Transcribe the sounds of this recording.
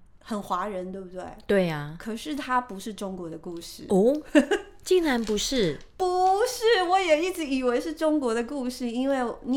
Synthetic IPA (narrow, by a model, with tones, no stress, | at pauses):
xə˨˩nxwa˧˥ɻə˧˦nt̪we˥˧˩bu˧˩t̪wḛ˥˩t̪we˥˩ɪɐ˩kʰə˨˩ʂɻ̩˥˩t̪ʰa˥pu˧˦ʂɻ̩˥˩ʈ͡ʂʊ˥ŋkwɔ˧˥d̪ə˧ku˥˧ʂɻ̩˥˩u˥ | t͡ɕi˥˩ŋa˧˥npu˨˧˥ʂɻ̩˥˩ | pu˨˦ʂɻ̩˥˩wɔ˨˧˥jɛ˨˩i˥˩ʈ͡ʂɻ̩˧˥i˨˩we˧˥ɪʂɻ̩˥˩ʈ͡ʂʊ˥ŋkwɔ˧˥d̪ə˧ku˥˧ʂɻ̩˥˩i˥nwe˥˩ɪni˨